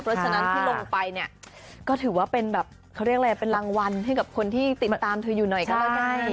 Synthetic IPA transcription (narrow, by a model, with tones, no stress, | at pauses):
pʰɾɔ˦˥t͡ɕʰa˧na˦˥tʰi˥lo˧ŋpa˧jni˥˩ɐ | kɔː˥˩t̪ʰɯː˨˩˦waː˥˩pe˧nbɛː˨˩p̚ | kʰa˦˥˩ɾi˥˩ək̚ɾa˧˩jpe˧nlaː˧ŋwa˧nɦa˥˩jka˨˩p̚kʰo˧nt̪ʰiː˥˩t̪i˨˩ma˧t̪aː˧mt̪ʰɯː˧juː˨˩nɔ˨˩jkɔ˥˩kaː˥˩a˥˩